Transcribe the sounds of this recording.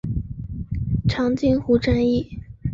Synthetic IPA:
ʈ͡ʂʰɑ˧˥ŋt͡ɕi˥ŋxu˥ʈ͡ʂa˥ni˥˩

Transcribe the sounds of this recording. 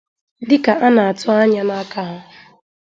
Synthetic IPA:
dɪ˦ka˨ʔa˦na˨a˨tʊ˦a˦ɲa˦na˦ka˦ɦʊ˦

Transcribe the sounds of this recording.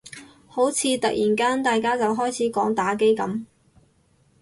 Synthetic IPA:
ho˨˥wt͡sʰiː˨˧t̪ɐ˨k̚jiː˨˩nkaː˥nt̪aː˨jkaː˥t͡sɐ˨wɦɔː˥jt͡sʰiː˨˥kɔː˨˥ŋt̪aː˨˥k̬e˥jkɐ˨˥m

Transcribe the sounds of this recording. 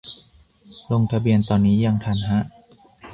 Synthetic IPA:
lo˧ŋt̪ʰa˧bi˧ənt̪ɔː˧nːiː˦˥ja˧ŋt̪ʰaː˨˩nɦa˦˥ʔ

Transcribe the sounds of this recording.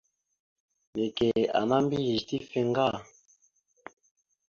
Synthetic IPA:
me˨ke˨a̰˨na˦m˦bi˦ji˨ʃti˦fɛ˧ŋ˦ɡa˦˨

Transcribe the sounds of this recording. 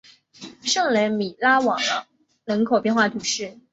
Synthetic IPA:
ʂɤ˥˩ŋlə˧˥nmi˨˩la˥wɑ˨˩ŋd̪ə˦ | nə˧˥nkʰo˨˩ʊpjɛ˥˧nxwa˥˩t̪ʰu˧˥ʂɻ̩˥˩

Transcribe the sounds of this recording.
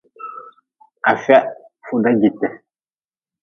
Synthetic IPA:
a˨fa˦ | fu˦da˦ɡi˨tɛ˨

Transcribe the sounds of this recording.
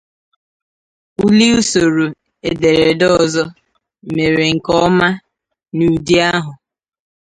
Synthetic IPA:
u˦li˦u˦so˨ɾu˨ | e˨de˨ɾe˨dɔ˦zɔ˦ | me˨ɾe˨ŋ̩˨kɔ˦ma˦ | nu˨di˦a˦ɦʊ˨

